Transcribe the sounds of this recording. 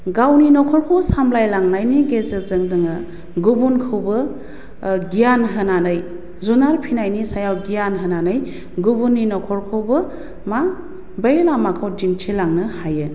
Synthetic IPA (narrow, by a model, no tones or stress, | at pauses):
ɡawninɔkʰɔɾkʰowsamblajlaŋnajniɡezɯzɯŋdɯŋɯ | ɡubunkʰɯwbɯ | ɡijanɦɯnanɯj | zunaɾpʰinajnisajawɡijanɦənanəj | ɡubunːinɔkʰɔɾkʰowbɯ | ma | bejlamakʰawdiŋtʰelaŋnɯhajɯ